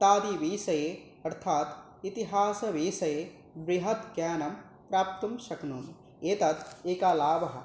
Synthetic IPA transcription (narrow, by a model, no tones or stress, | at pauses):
t̪aːd̪iʋiːsɐjeː | ɐɾt̪ʰaːt̪ | it̪iɦaːsɐʋiːsɐjeː | bɾiɦɐt̪ɡjaːnɐm | pɾaːp̚t̪umʃɐknuːm | eːt̪ɐt̪eːkaːlaːʋɐɦɐ̆